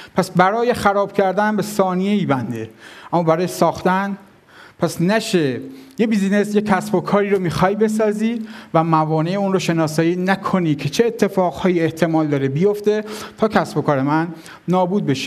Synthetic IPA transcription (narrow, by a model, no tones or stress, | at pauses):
pʰæsbæɾɒːje̞xæɾɒːb̥cʰæɾd̪ænmbe̞sɒːnije̞iːbænd̪e̞ʔæmːɒːbæɾɒːjesɒːxt̪æn | pʰæsnæʃejebizine̞sjekʰːæsbo̞kʰɒːɾiːɾomiːxɒjbe̞s̬ɒːziːvæmævɒːneeunɾoʃe̞nɒːsɒːjiːnækʰoniːkʰe̞t͡ʃʰe̞ːt̪ʰːe̞fɒːɣhɒːjieht̪ʰe̞mɒːld̪ɒːɾebijo̞ft̪e̞t̪ʰɒːkʰæsbo̞kʰɒːɾe̞mænː | ɒːbuːd̪̚be̞ʃe̥